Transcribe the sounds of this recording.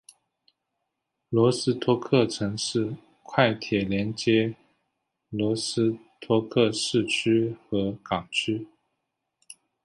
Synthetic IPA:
lwɔ˧˥sɹ̩˥t̪ʰwɔ˥kʰɤ˥˩ʈ͡ʂʰɤ˧˥ŋʂɻ̩˥˩ | kʰwa˥˩ɪt̪ʰjɛ˨˩ljɛ˧˥nt͡ɕjɛ˥ | lwɔ˧˥sɹ̩˥t̪ʰwɔ˥kʰɤ˥˧ʂɻ̩˥˩t͡ɕʰy˥xɤ˧˥kɑ˨˩ŋt͡ɕʰy˥

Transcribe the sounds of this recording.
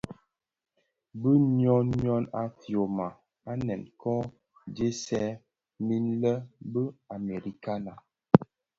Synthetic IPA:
bə˦nɔ˦nːjɔ˦na˨fjo˨ma˨ | a˦nɛ˨nkɔ˦ | d͡ʒe˦sɛ˦ | mi˦nlə˦bə˦a˨me˨ɾi˨ka˦na˨

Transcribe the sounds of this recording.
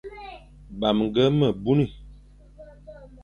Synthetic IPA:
ba˨m˨ŋ˨ɡə˦mə˨bu˦ni˨

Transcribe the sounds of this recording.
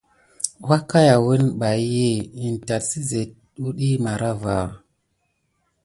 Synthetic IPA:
wa˦ka˦ja˨wə˦nɓa˨jje˦˨i˨n˨ta˨tsi˦ze˨t̚ | ɗu˦ɗi˦ma˨ɾa˦va˨

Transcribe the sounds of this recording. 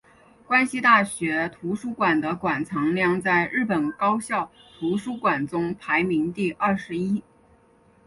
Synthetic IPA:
kwa˥nɕi˧˥t̪a˥˩ɕɥɛ˧˥t̪ʰu˧˥ʂu˥kwa˨˩nd̪ə˦kwa˨˩nt͡sʰɑ˧˥ŋljɑ˥˧ŋt͡sa˥˧ɪɻɻ̩˥˩pə˨˩nkɑ˥ʊɕjɑ˥˩ʊt̪ʰu˧˥ʂu˥kwa˨˩nt͡sʊ˥ŋpʰa˧˥ɪmi˧˥ŋt̪i˥˧ʔɐ˥˩ʂɻ̩˧˥i˥

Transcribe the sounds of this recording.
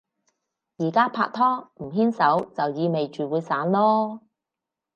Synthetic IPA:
jiː˨˩kaː˥pʰa̰ː˧k̚t̪ʰɔː˥m̩˨˩ɦiː˥nsɐ˨˥wt͡sɐ˨wjiː˨˧me˨jt͡ʃyː˨wuː˨˧jsaː˨˥nlɔː˥

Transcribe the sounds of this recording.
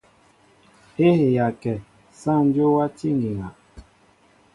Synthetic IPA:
he˦he˨ja˨kɛ˨ | sã˦˨n˦d͡ʒo˦wa˦ti˦ŋɡi˨ŋa˨

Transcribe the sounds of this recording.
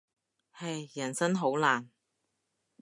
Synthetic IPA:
hɐ˨jjɐ˨˩nsɐ˥nɦo˨˥wlaː˨˩n

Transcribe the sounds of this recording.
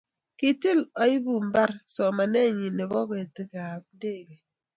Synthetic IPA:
ki˦ti˦lɔ˨i˦bu˦m̩˦ba˦ɾsɔ˨ma˨ne˦˨ɲi˨ne˨bɔ˦ke˨tɨ˦ka˨p̚de˦˨ɡe˨

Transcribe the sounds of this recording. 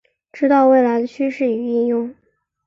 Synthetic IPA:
ʈ͡ʂɻ̩˥t̪ɑ˥˧ʊwe˥˩ɪla˧˥ɪd̪ə˧t͡ɕʰy˥ʂɻ̩˥˩y˨˩i˥˧ŋjʊ˥˩ŋ

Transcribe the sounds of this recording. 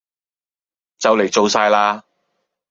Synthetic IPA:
t͡sɐ˨wle˨˩jt͡so˨wsaː˧jlaː˧

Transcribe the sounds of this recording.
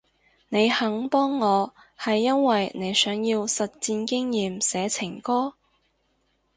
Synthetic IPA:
ne˨˧jhɐ˨˥ŋpɔː˥ŋːɔː˨˧ | hɐ˨jːɐ˥nwɐ˨jne˨˧jsœː˨˥ŋjiː˧wsɐ˨t̚t͡siː˧nkɪ˥ŋjiː˨msɛː˨˥t͡sʰɪ˨˩ŋkɔː˥

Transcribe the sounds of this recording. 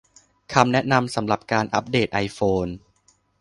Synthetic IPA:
kʰa˧mnɛ˦˥na˧msa˩˦mɾa˨˩p̚kaː˧nʔa̰˦˥p̚deː˨˩t̪̚ʔa˧jfoː˧n

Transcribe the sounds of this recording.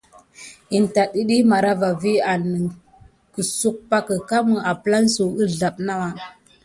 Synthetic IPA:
i˨nta˨ɗi˦ɗi˦ma˨ɾa˦va˨vi˦a˨nə˨ŋ | kə˨su˦k̚pa˦kə˨ka˦mə˨a˨pə˦la˦nsu˨ə˦ɮa˨ɓna˦wa˨

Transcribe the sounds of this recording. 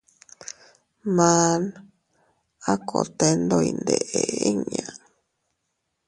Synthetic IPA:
mã˧˦n | a˦kʰo˨t̪e˧nd̪o˧i˧nd̪e˨ʔe˨i˦ɲã˨

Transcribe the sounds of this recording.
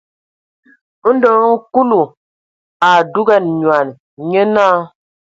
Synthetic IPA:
n̩˦dɔ˨˦ŋ̩˦ku˦lu˨ | a˨du˦ɡa˦˨nɲwa˨n | ɲə˦naː˦

